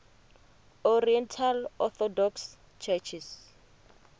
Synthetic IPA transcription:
ɔriɛntʰalɔθɔdɔks | t͡ʃʰɛt͡ʃʰis

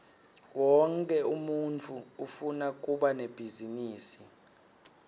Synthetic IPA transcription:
wɔŋkʼɛumunt͡fʰuufunak̬ʼuɓaneb̥ʱiziniːsi

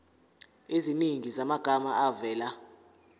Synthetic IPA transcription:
eziniŋizamaɡ̥ʱamaavɛːla

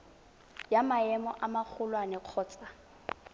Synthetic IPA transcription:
jamaɛmɔʔamak͡xʰʊlwanɛq͡χʰɔːt͡sʼa

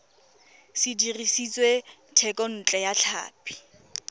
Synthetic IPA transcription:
sɪdirisit͡sʼwe | tʰɛkʼɔn̩t͡ɬʼɛjaɬʰa̰ːpʰʼi̥

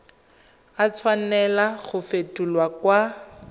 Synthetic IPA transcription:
at͡sʰwanɛlaɣʊfetʼulwakwa

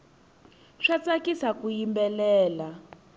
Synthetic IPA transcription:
ʂat͡sakisakujimbɛlɛːla

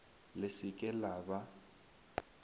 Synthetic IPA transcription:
lɪsɪkʼɛlaːba

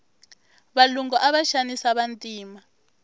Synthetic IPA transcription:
βaluŋɡɔʔaβaʃanisaβantʼiːma

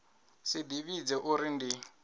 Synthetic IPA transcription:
sɪdiβid͡zɛʔuɾindi

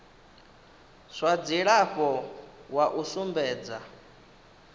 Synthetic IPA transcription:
sʷad͡ziɺaɸɔwaʔusumbɛːd͡za

